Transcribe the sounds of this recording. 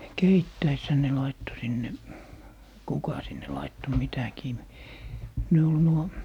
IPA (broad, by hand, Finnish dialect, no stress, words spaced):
keitːæishæ ne lɑitːo sinːe kukɑ sinːe lɑitːo mitækiː ne ol nuo